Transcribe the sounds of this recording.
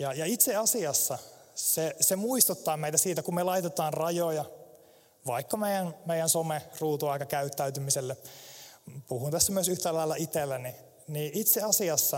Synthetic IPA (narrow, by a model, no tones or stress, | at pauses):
jɑjɑit̪seɑsiɑsːɑ | sesemuist̪ut̪ːɑːmeit̪æsiːt̪ækummelɑit̪et̪ɑːnrɑjojɑ | ʋɑikːɑmeijænmeijænsomeruːt̪uɑikɑkæyt̪ːæyt̪ymiselːe | puhunt̪æsːæmyøsyht̪ælɑilːɑit̪elːæni | niːʔit̪seɑsiɑsːɑ